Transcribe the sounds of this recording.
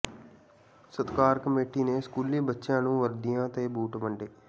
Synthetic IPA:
sət̪kaːɾkəmeːʈiːneːskuːliːbətːʃãːnũːʋəɾd̪ijãːt̪eːbuːʈʋəɳɖeː

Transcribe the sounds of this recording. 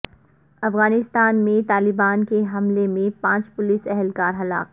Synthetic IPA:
ɐfɣaːnɪst̪aːnmẽt̪aːlɪbaːnkeɦɐmlemẽpãːt͡ʃpʊlɪsɛɦɛlkaːɾɦɐla̰ːk

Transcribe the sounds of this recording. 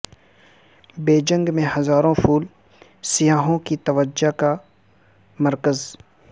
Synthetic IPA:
beːd͡ʒə̃ŋɡmẽhɐzaːɾõfʰuːl | sijaːɦõkit̪ɐʋəd͡ʒaka | mɐɾkəz

